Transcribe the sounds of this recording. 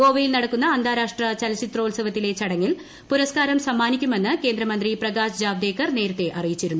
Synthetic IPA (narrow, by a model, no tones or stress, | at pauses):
ɡo̞ːʋɐjilnɐɽɐkːunːɐːnd̪ʱaːɾaːʂʈrɐt͡ɕɐlɐt͡ɕit̪ːroːlsɐʋɐt̪ːile̞t͡ɕɐɽɐŋːil | puɾɐskaːɾɐmsɐmːaːnikʲːume̞nːɨke̞ːnd̪ɾɐmɐnd̪riprɐɡaːsd͡ʑaːʋd̪e̞ːkːɐrne̞ːɾut̪ːe̞ʔɐrijit͡ɕːiɾunːu